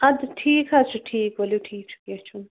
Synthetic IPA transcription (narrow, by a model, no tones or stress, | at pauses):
ɐd̪ʈʰiːkʰat͡ʃʰuʈʰiːkwɐliwʈʰiːk̚t͡ʃʰu̥ket͡ʃʰun